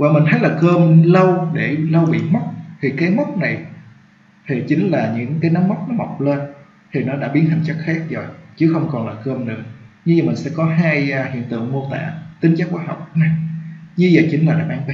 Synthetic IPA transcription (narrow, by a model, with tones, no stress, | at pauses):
vaː˨˩mï˨˩ŋ̟t̪ʰə˨˦jlaː˨˩kəː˧mlə˧wɗe˧˩lə˧wɓḭ˧˨mə˦˥k͡p̚t̪ʰi˨˩kaː˨˦jmə˦˥wk͡p̚na˨˩j | t̪ʰi˨˩t͡ɕï˨˦ŋ̟laː˨˩ɲɨ̰˧˥ŋkaː˨˦jna˨˦mːə˦˥k͡p̚nɔ˨˦mə˨˩wk͡p̚le˧n | t̪ʰi˨˩nɔ˨˦ɗa̰ː˧˥ɓi˨˦ənha˨˩jŋ̟t͡ɕə˦˥k̚xaː˦˥k̚zo˨˩jt͡ɕɨ˨˦xə˧wŋ͡mkɔ˨˩nlaː˨˩kəː˧mnɨ̰˨˧˩əɲɨ˧zə˨˩mï˨˩ŋ̟sɛ̰˧˥kɔ˨˦ɦaː˧jhḭ˧˨ənt̪ɨ̰˧˨əŋmo˧t̪a̰ː˧˨t̪ï˨˦ŋ̟t͡ɕaː˦˥k̚ːwaː˧˦ɦa˨˩wk͡p̚na˨˩jɲɨ˧zə̰ː˨˩jt͡ɕï˨˦ŋ̟laː˨˩ɗa̰ː˧˩maː˧˦ŋvi˧˦